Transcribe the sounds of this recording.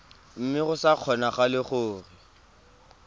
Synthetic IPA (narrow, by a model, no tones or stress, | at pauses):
m̩mɪɣʊsaq͡χʰɔnaχalɪχʊːrɪ